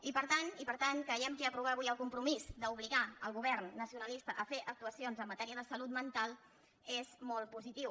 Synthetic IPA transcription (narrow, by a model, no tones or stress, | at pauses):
ipəɾt̪anipəɾt̪aŋkəjɛmkiəpɾuβ̞aβujəlˠkumpɾumizd̪əuβ̞liɣaəlˠɣuβɛrnːəsiunəlist̪əʔəfeʔək̚t̪uəsionzəmːət̪ɛɾiəðəsəlut̪mənt̪alˠ | ezmɔlˠt̪̚puzit̪iw